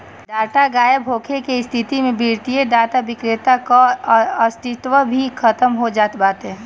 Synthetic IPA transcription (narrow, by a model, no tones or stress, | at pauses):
ɖ̪aːt̪aɡaːjəbʱoːkʰekeɪst̪ʰit̪imẽbʱiːɾt̪ijed̪aːt̪abɪkɾɪt̪akaəst̪ʰɪt̪ʋəbʱikʰət̪əmɦod͡ʒaːt̪baːt̪ɦɛ